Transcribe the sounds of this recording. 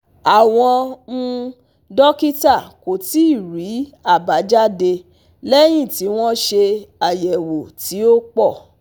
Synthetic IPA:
a˨w̃ɔ̃˧ñ̩˧ | dɔ˦ki˦ta˦˨ko˨ti˨˦i˦˨ɾi˨˦a˦˨ba˨˦d͡ʒa˦de˧ | lɛ˦j̃ĩ˦˨ti˨˦w̃ɔ̃˦ʃe˧a˨jɛ˨wo˨ti˨˦o˦k͡pɔ˦˨

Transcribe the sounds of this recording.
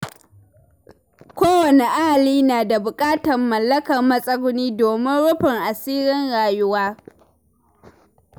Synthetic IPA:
kʷoː˦wɐ˨ne˨ʔa˦ʔa˨liː˦naː˨da˨bʊ˨kʼaː˦tɐ˨mːɐ˨lːɐ˦kɐ˨rmɐ˦sʼɐ˦ɡʷʊ˦niː˦doː˨mɪ˦nɽʊ˦ɸɪ˨ŋʔa˨siː˦ɾɪ˦nɽaː˨jʊ˦waː˦

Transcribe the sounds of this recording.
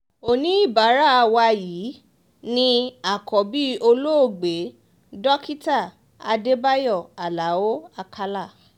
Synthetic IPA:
o˨nĩ˨˦i˦˨ba˨˦ɾa˦˨˧wa˧ji˨˦ | nĩ˧a˦˨kɔ˨bi˦o˧lo˦o˦˨ɡ͡be˨˦ | dɔ˦ki˦ta˦˨ | a˧de˦ba˦jɔ˦˨a˨la˨˦wo˦a˧kʰa˦la˦˨

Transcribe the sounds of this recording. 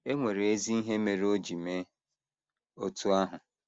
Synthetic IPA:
e˦ŋʷe˨ɾe˨e˦zi˦i˦ɦe˦me˨ɾo˦d͡ʒi˨me˦ | o˦tu˦a˦ɦʊ˨

